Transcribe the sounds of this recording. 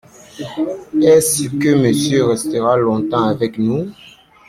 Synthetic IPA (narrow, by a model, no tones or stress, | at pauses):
ɛskəməsjøʁɛst̪əʁalɔ̃t̪ɑ̃avɛknu